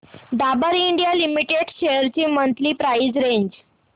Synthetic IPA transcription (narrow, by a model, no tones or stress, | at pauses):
d̪abəɾiɳɖijalimiʈeɖɕejəɾt͡ɕiːmənt̪liːpɾaid͡zɾeɲd͡ʑ